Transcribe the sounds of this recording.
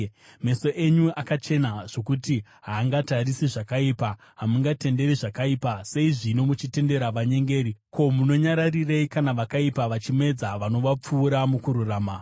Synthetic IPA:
me̞so̞ʔe̞ɲuakat͡ʃe̞naʐ̥o̞kuti | ɦaːŋɡatarisiʐakaipa | ɦamuŋɡate̞nde̞ɾiʐakaipase̞iʐino̞mut͡ʃite̞nde̞ɾaʋaɲe̞ŋɡe̞ːɾiko̞muno̞ɲaɾarireikanaʋakaipaʋat͡ʃime̞d͡zaʋano̞ʋap͡fuːɾamukuɾuraːma

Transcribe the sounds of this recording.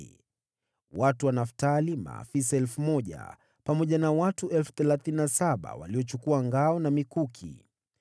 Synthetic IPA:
watuwanaftalima̰ːfis̬aɛlfumɔʄa̰ | pamɔʄanawatuʔɛlfu̥θɛlaθininasaɓa̰wa̰liɔt͡ʃukuaŋɡaɔnamikukʰḭ

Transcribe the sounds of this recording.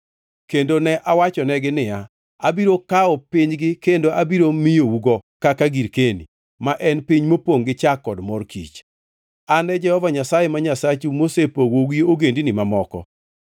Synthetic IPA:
kendonɛʔawat͡ʃɔnɛɡɪnɪa | abiɾokaɔpɪɲɡɪkendoʔabiɾomijouɡɔkakaɡiɾkenḭ | maʔɛnpiɲmopoŋɡɪt͡ʃakːɔdmɔrkḭt͡ʃ | anɛd͡ʒɛhɔvaɲasajemaɲasat͡ʃumosepowoɡioɡendinimamɔkɔ̰

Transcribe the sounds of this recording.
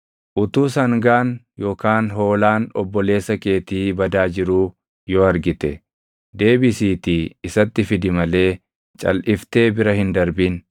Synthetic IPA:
ʔʊt̪uːsɐŋɡaːn | jo̞ːkaːnɦo̞ːlaːnɔbːɔle̞ːsːɐke̞ːt̪iːbɐd̪aːd͡ʒɪɾuː | jɔɐɾɡɪt̪ɛ | d̪e̞ːbɪsiːt̪iːɪsɐt̪ːɪfɪd̪ɪmɐle̞ː | t͡ʃʼɐ̰lʔɪft̪e̞ːbɪɾɐhɪnd̪ɐɾbin

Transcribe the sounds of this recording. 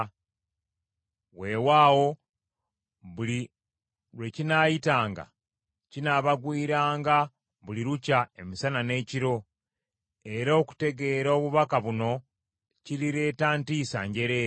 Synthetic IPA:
we̞waːwo̞ | βuli | wecinajitaːŋɡa̰ | cinaβaɡwiːɾaːŋɡa | βuliɾucaemisanane̞ːciɾo̞ | e̞ɾoːku̥te̞ɡe̞ɾoβuβakaβuno̞ | ciɾiɾe̞ːtaːntiːsa̰ːɲɟe̞ɾeː

